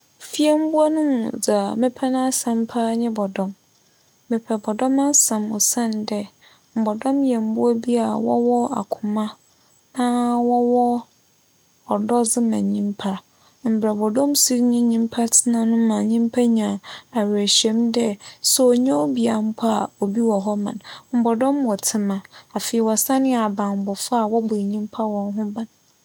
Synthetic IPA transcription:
fi˦ɛ˦m̩˦bu˦a˦nʊ̃˦md͡za˨mɪ̃˦pʰɛ˦nã˦a˦sã˨m˦pʰa˦ɲɪ̃˦bɔ˨dɔ̃˦mː | ɪ̃˨pʰɛ˨bɔ˨dɔ˦ma˦sã˨mɔ˨sã˦˨ndɛ˦ | m̩˨bɔ˨dɔ̃˦mjɛ˨m˦bʊ˦a˦bi˦a˨wɔ̰˦wɔ˦a̰˨kʰʊ˨mã˦ | nã˦wɔ˦wɔ˦ | ɔ˨dɔ˦d͡zɪ˦mã˨ɲĩ˦mpʰa˦ | m̩˨bɾa˨bɔ˨dɔ̃˦msi˦ɾɲĩ˦ɲĩ˦m˦pʰa˦tʰɪ˨nã˨nʊ̃˦mã˨ɲĩ˦m˦pʰa˦ɲã˨a˨wæ˨ɕɛ̃˦mdɛ˦sɔ˦˨ɲã˦o˦bi˨a˨m̩˦pʰa˦a˨o˨bi˦wɔ˨ɦɔ˦mã̰˨nm̩˨bɔ˨dɔ̃˦mwɔ˨tʰɪ˦mã˨a˨fe˨ɛ˨wɔ˨sa˦nɪ̃˦a˨bã˨m̩˨bɔ˨fa˦a˨wɔ˦bʊ˨i˨ɲĩ˦m˦pʰa˦wɔ̃˨n˦ɦʊ̃˦bã˨n

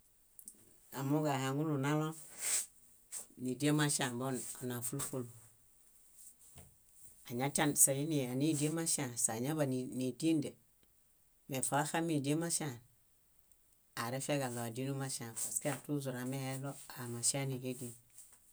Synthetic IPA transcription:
a˨mu˦ɡa˨ha˨ŋu˦lu˨na˦lo˦ | ni˨di˦e˦ma˦ʃa˨mbo˦o˨na˨fu˦lfo˦lu˨ | a˨ɲa˦ta˦nsa˨ji˦ni˨a˨ni˦˨di˦e˦ma˦ʃa˨nsa˨ɲa˦ba˨ni˨ni˨di˦nde˨ | me˨fa˨˦a˦xa˦mi˨di˦e˦ma˦ʃa˨n | a˨ɾe˦fe˦ɡa˨lo˨a˨di˦nu˦ma˦ʃa˨nba˨ske˦a˨tu˦zu˨ɾa˨me˦he˦lo˦a˨ma˨ʃa˦ni˨ɡe˦di˦n

